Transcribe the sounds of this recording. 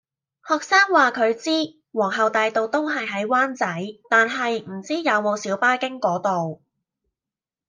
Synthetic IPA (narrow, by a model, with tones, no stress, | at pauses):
hɔː˨˩k̚saː˥ŋwaː˨kʰɵ˨˧ɥt͡siː˥ | wɔː˨˩ŋɦɐ˨wt̪aː˨jt̪o˨wt̪o˥wɦɐ˨jɦɐ˨˥jwaː˥nt͡sɐ˨˥jt̪aː˨nɦɐ˨jm̩˨˩t͡siː˥jɐ˨˧wmɔː˨˧siː˨˥wpaː˥kɪ˥ŋkɔː˨˥t̪o˨w